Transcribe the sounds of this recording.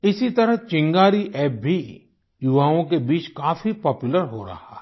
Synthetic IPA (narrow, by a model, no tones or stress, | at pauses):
ɪsit̪ɐɾəɦt͡ʃɪ̃ŋɡaːɾiʔɛːp̚bʱi | jʊʋaːõkebiːt͡ʃkaːfipɔːpjʊləɾɦoɾɐ̰ha̰